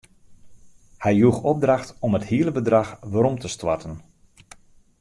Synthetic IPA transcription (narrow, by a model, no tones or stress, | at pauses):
hɛjjuxɔb̚draxtɔməthiələbədraxʋəɾɔmtəstwa̰rtən